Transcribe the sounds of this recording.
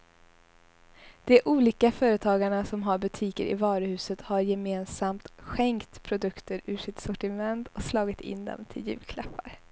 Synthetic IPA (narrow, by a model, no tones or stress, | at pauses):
d̪̥ɛʔuːliːkafœːɾət̪ʰɑːɡaɳasɔmɦaɾbɵt̪ʰiːkə̰ɾɪ̰vɑːɾəhʉ̟ːsət̪haɾjɛmeːnsamt̪ɧɛŋkt̪pʰɾʊd̪ɵkt̪əɾʉ̟ːʂɪt̪sɔʈɪmɛnt̪ɔslɑːɡɪt̪ʰɪ̰nd̪ɛ̰mt̪ʰɪljʉ̟̰ːlkʰlapːaɾ